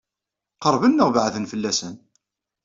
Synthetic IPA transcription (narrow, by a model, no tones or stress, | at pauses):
qəɾˤvənːəʁvəʕðənfəlːæsən